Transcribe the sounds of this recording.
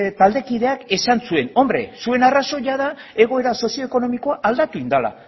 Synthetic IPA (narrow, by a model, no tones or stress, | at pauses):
t̪ald̪e̞kið̞e̞ake̞sansue̞no̞mbɾe̞̰sue̞naraso̞ʝaða | e̞ɣ̞o̞e̞ɾaso̞sio̞eko̞no̞miko̞aʔald̪at̪uind̪ala̰